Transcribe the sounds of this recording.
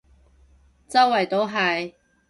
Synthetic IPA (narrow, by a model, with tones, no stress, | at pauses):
t͡sɐ˥wwɐ˨˩jt̪o˥wɦɐ˨˧j